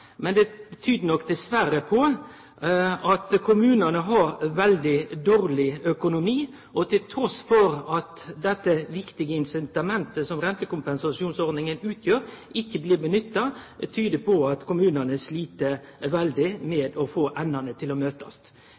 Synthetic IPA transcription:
mɛnd̪ɛt̪ʰyːd̪ənɔkːd̪ɛsʋæɾəpʰɔ | ɑt̪kʰʊmʉːnənəɦɑɾʋɛld̪ɪd̪oːɾlɪœkʊnʊmiː | ʔɔt̪ʰɪlt̪ʰɾɔsfɔɾɑt̪d̪ɛt̪ːəʋɪkt̪ɪɡəɪnsɪnt̪ɑmɛnt̪əsɔmɾɛnt̪əkʊmpɛnsɑsɪuːnsɔɾd̪nɪŋənʉːt̪ʰjøːɾɪçːəbliːbənʏt̪ːɑt̪ʰyːd̪əpʰɔɑt̪kʰʊmʉːnənəsliːt̪əʋɛld̪ɪmɛːd̪ɔfoːʔɛnːənət̪ʰɪlɔmøːt̪ɑst̪

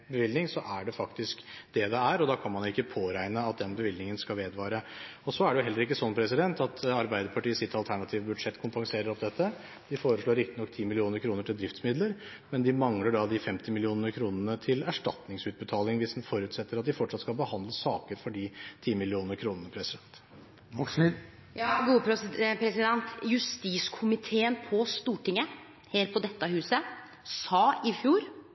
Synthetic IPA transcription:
bəʋɪlnɪŋsɔʔæɖɛfɑkt̪ɪskd̪̥ɛd̪ɛæɾɔd̪ɑkʰɑnmɑnʊɪkːəpʰoːɾæɪnəɑt̪̚d̪ɛnbəʋɪlnɪŋənskɑlʋeːd̪ʋɑːɾəɔsɔæɖɛjʊɦɛlːəɾɪkːəsɔnːpʰɾɛsɪd̪ɛnt̪ɑt̪ɑɾbæɪd̪əɾpʰɑʈiːəsɪt̪ːɑlt̪ʰæɳɑt̪ʰiːʋəbʉd̪ʂɛt̪ːkʰʊmpɑŋseːɾəɾɔp̚d̪ɛt̪ːə | d̪̥ɪfoːɾəʂɭoːɾɪkt̪ɪ̥nɔkːt̪ʰiːmɪlɪuːnəɾkʰɾuːnəʈʰɪld̪ɾɪft̪smɪd̪ləɾ | mɛnd̪ɪmɑŋləɖɑd̪ɪfɛmt̪ɪmɪlɪuːnənəkʰɾuːnənət̪ʰɪlæʂʈɑ̰t̪nɪŋsʉːt̪̚bət̪ʰɑːlɪŋʋɪsd̪nfɔɾʉːt̪sɛt̪ːəɾɑt̪̚d̪ɪfɔʈːʂɑt̪skɑlbəhɑnd̪ləsɑːkəɾfɔɖɪt̪ʰiːmɪlɪuːnəɾkʰɾuːnənəpʰɾɛsɪd̪ɛnt̪ | ks | jɑːɡuːəpɾpʰɾɛsɪd̪ɛnt̪jʉst̪iːskʰʊmɪt̪ʰeːənpʰɔst̪uːʈɪŋːə | heːɾpʰɔd̪ɛt̪ːəhʉːsə | sɑːɪfjuːɾ

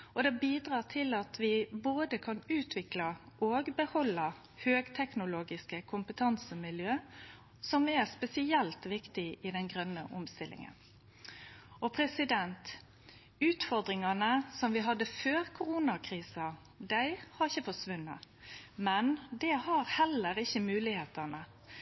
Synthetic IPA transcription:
ɔd̪ɛbiːd̪ɾɑːt̪ʰɪlɑt̪ʰʋɪboːd̪əkʰɑnʉːt̪ʰʋɪklɑʔoːɡbəhɔlːɑ | høːɡt̪ʰɛknʊloːɡɪskəkʰʊmpət̪ʰɑnsəmɪljøː | sɔmæɾspɛsɪɛlt̪ʋɪkt̪ɪɪd̪ɛnɡʁœnːə̰ʔɔmst̪ɪlɪ̰ŋə̰n | ɔpʰɾɛsɪd̪ɛnt̪ | ʉːt̪fɔɾd̪ɾɪŋɑnəsɔmʋɪɦɑd̪ːəføːɾkʰʊɾunɑkʰɾiːsɑ | d̪æɪhɑɾɪçːəfɔʂʋʉnːɑ̰ | mɛnd̪ɛhɑɾhɛləɾɪçːəmʉːlɪheːt̪ɑnə

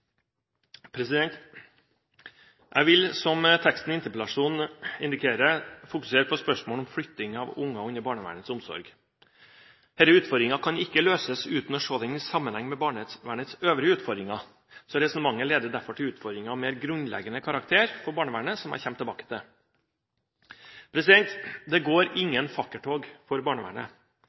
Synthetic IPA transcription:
pʰɾɛsɪd̪ɛnt̪ | ʔæ̰ɪʋɪlsɔmt̪ʰɛkst̪n̩ɪnt̪əɾplɑʂuːnɪnd̪ɪkʰeːɾəfʊkʉ̥seːɾəpʰɔspœʂmoːlɔmflʏt̪ːɪŋɑʋʊŋːɑʉnːəɾbɑːɳəʋæ̰ːɳət̪sʊmsɔ̰ɾɡ | hɛːləʉːt̪fɔɾd̪ɾɪŋɑkʰɑnɪkːəløːsəsʉːt̪nɔʂoːd̪ɛɪnɪsɑmːənhɛŋːmɛbɑːɳəʋæːɳət̪søːʋɾɪəʉːt̪fɔɾd̪ɾɪŋɑ | sɔɾɛsɔnəmɑŋːəleːd̪əɖ̪æɾfɔʈʰɪlʉːt̪fɔɾd̪ɾɪŋɑmeːɾɡɾʉnlɛ̰ɡənəkʰɑɾɑk̚t̪ʰeːɾfɔɾbɑːɳəʋæːɳəsɔmhæ̰ɾçɛmt̪ɪlbɑ̰ːkə̥t̪ɛ | pʰɾɛsɪd̪ɛnt̪d̪ɛɡoːɾɪŋːənfɑkːəʈʰoːɡfɔɾbɑːɳəʋæ̰ːɳə̰

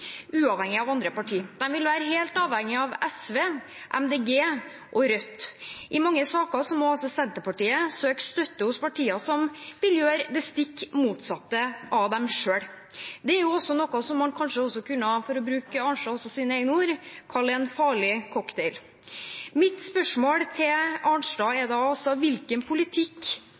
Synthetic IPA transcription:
ʉːɑʋhɛŋːɪɑʋɑnd̪ɾəpɑʈʰiːd̪̥ɛmʋɪlʋæːɾəɦeːlt̪ɑːʋhɛŋːɪɑʋɛsʋeː | ʔɛ̰md̪eːɡeː | ʔɔɾœt̪ːʔɪmɑŋːəsɑːkɑsɔmɔɑlsɔsɛnt̪əpɑʈiːəsøːkst̪œt̪ːəhʊspʰɑʈʰiːɑsɔmbɪljøːɾd̪ɛst̪ɪkːmuːt̪sɑt̪ːəʔɑʋd̪ɛmʂøːɽ | d̪ɛæɾjʊɔsːɔnɔkːɑsɔmhɑnkʰɑnʂəɔsːɔkʰʉnːəhɑfɔɾɔbɾʉːkəɑːɳʂɖɑːɔsɔsiːnəɛɪɡənəuːɾkʰɑɭɛnfɑːɭɪkʰɔkt̪ʰɛɪl | mɪt̪spœʂmoːɽt̪ʰɪlɑnʂɖɑːɛd̪ɑːɔsɔʋɪlkənpʰʊlɪt̪ʰɪkː

